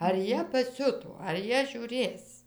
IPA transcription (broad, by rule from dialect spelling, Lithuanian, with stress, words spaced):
ɐr ˈjiɛ pɐˈsʲʊtoː ɐr ˈjiɛ ʒʲuːˈrʲeːs